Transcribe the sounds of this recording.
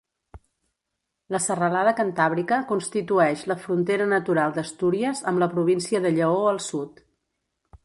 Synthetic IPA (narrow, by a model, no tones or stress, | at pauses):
ləsərəlaðəkənt̪aβɾikəkunst̪it̪uɛʃləfɾunt̪eɾənət̪uɾalˠd̪əst̪uɾiəzəmbləpɾuβ̞insiəðəʎəoəlˠsut̪